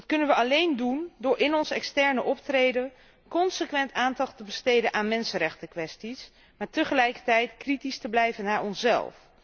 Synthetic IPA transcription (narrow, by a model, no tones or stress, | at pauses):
dɑtkɵnənʋəɑlejndundʊːɹɪnɔnsɛ̰kstɛɹnəʔɔptrejdən | kɔnsəkʋɛntaːndɑχtəbəstejdənʔaːnmɛnsənɾɛχtəkʋɛstis | maːɹtəχəlɛjkəɹtɛjtkritistəblɛjvənaːɹɔnsɛ̰lˠf